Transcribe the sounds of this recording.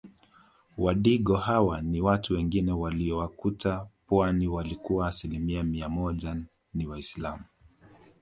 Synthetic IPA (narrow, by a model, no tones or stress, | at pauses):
waɗiɠɔhawaniwatuwɛŋɡinɛwaliɔwakutapwaniwalikuwaːsilimiamiamɔʄa | niwaislamu